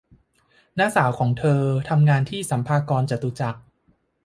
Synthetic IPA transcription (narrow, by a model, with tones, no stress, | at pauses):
naː˧˥saː˩˦wkʰɔː˩˦ŋt̪ʰɤː˧t̪ʰa˧mŋaː˧nt̪ʰiː˥˩sa˩˦mpʰaː˧kɔː˧nt͡ɕa˨˩t̪ːu˨˩t͡ɕa˨˩k̚